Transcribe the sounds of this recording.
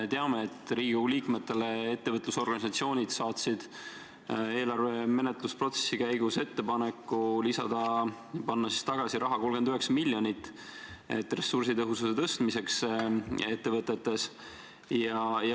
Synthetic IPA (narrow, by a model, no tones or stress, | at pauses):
et̪eɑme̞ːt̪ːˑɾiːɡiliːkme̞t̪ːe̞le̞et̪ːevɤt̪ˑluso̞rɡ̥ɑnʲisɑt̪sio̞ːnʲid̪̥sɑːt̪sid̪̥ | e̞ːlɑrve̞me̞net̪ˑluspro̞t̪se̞̥sːikæjɡ̥use̞t̪ːe̞pɑne̞kːˑulisɑd̪̥ɑ | pɑnːɑsi̥st̪ɑɡ̥ɑsiɾɑɦɑko̞lɡ̥e̞nd̪yɦe̞ksɑmilʲjo̞nit̪ːˑ | et̪ːˑre̞sːursit̪ɤɦususe̞t̪ɤst̪mise̞ks | e̞t̪ːevɤt̪ːˑe̞t̪ːe̞s | jɑj